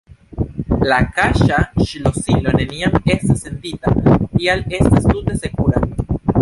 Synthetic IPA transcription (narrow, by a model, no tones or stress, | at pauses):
lakaʃaʃilo̞silo̞ne̞niame̞stasːe̞nditatiale̞stastute̞se̞kuɾa̰